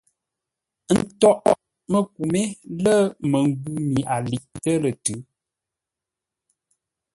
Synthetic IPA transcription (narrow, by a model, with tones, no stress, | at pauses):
n̩˦tɔ˦ʔ | mə˦k̚u˨me˦lə˦mə˨ŋ˦ɡu˦mi˨ʔa˨li˨ʔtə˦lə˨tʉ˨˦